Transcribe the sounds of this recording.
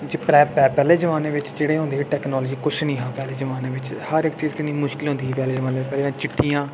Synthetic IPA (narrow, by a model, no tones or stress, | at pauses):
d͡ʒiːpɾɛːpɛːpɛːleːzəʋaːnẽːʋɪt͡ʃd͡ʒeːɽeːɦʊ̃nd̪eːiːʈɛːknɔːlːd͡ʒiːkʊt͡ʃʰnĩːɦãːpɛːleːd͡ʒəʋaːnẽːʋɪt͡ʃhəɾɪkt͡ʃiːzkɪniːmʊʃkɪlɦʊ̃nd̪iːɦːpɛːleːzəʋaːnẽːɪt͡ʃpɛːleːãːt͡ʃɪʈʰːijãː